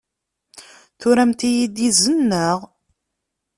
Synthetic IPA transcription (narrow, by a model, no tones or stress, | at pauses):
θʊɾæmt̪ijid̪izənːəʁ